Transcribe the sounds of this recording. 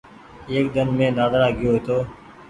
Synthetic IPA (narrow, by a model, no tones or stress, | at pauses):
eːkd̪ənmẽːnaːd̪ɾaːɡɪjoːɦeːt̪oː